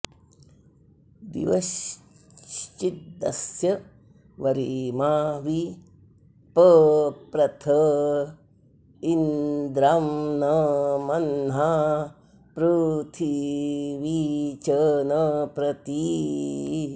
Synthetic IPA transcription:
d̪ḭʋɐʃ | t͡ʃit̪̚d̪ɐ̰sjɐ | ʋɐɾiːmaːʋi | pəpɾɐt̪ʰɐ | ind̪ɾaːnɐmɐnɦa | pɾut̪ʰiʋit͡ʃɐnɐpɾɐt̪i

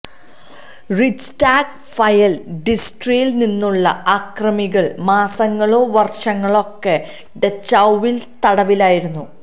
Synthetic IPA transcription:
rit͡ɕtaːɡ | fɐjɐlɖisʈrijilninːuɭːɐ̰aːkrɐmiɣɐɭmaːsɐŋːɐɭo̞ːʋɐrʂɐŋːɐɭo̞kːe | ɖet͡ɕɐwʋilt̪ɐɽɐʋilaːjiɾunːu

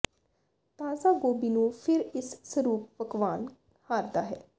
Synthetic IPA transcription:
t̪aːzaːɡoːbiːnũːpʰɪɾɪsːəɾuːp̚pəkʋaːn | haːɾd̪aːɦɛ̰ː

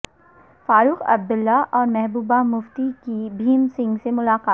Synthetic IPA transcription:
faːɾuːxɐ̰b̚d̪ʊlːaʔɔːɾmɛɦbuːbamʊft̪ikibʱiːmsɪ̃ŋɡsemʊlaːqaːt̪

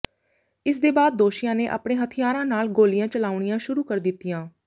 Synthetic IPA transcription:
ɪsd̪eːbaːd̪̚ːoːʃɪjãːneːʔa̰ːpɳeːɦət̪ʰɪjaːɾãːnaːlɡoːlɪjãːt͡ʃəlaːʊɳ̃ɪjãːʃʊɾuːkəɾd̪ɪt̪ːijãː

